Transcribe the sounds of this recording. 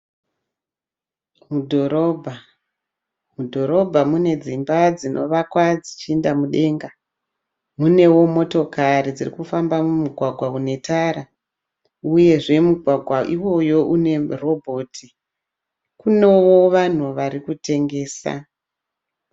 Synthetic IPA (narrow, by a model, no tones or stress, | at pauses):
mudʱoɾobʱa | mudʱo̞ɾo̞bʱamune̞d͡zimbad͡zinʔo̞̰ʋakwad͡zit͡ʃiendamuɗe̞ːŋɡa | mune̞wo̞mo̞to̞kaɾid͡zirikufambamumuɡʱwaɡʱwaune̞tʰaɾa | uje̞ʐe̞muɡʱwaɡʱwaʔiwo̞jo̞ʔune̞ro̞bʱo̞tʰi | kune̞wo̞ʋan̤uʋaɾikute̞ŋɡe̞ːsa̰